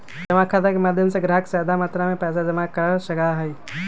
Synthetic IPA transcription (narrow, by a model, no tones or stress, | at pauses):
d͡ʒəmakʰat̪akemaːd̪ʱjəmseɡɾaɦəksjad̪ʱamat̪ɾamẽpɛːsad͡ʒəmakəɾəsəkaɦəj